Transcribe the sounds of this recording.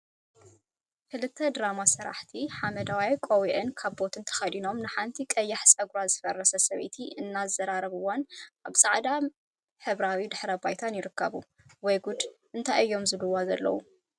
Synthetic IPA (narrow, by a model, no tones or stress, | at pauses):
kɨlɨt̪ʰːɐd̪ɾamasɐɾa̰ħt̪ʰiħamɐd̪awajkʼowiʔɨnkʰaβbo̞t̪ʰɨnt̪ʰɐ̥xɐd̪ino̞mnɨħant̪ʰikʼɐjːaħsʼɐɡɾazfɐrɐsɐsɐβḭt̪ʰiɨnːazɐɾaɾɐβɨwanaβsʼaʕd̪a | ħɨβɾawid̪ɨħɾɐbajt̪ʰanjɪɾɨkʰːɐβu | wɔjɡud̪ʔɨnt̪ʰajɨjːo̞mzɨlɨwːazɐlːɐ̰wu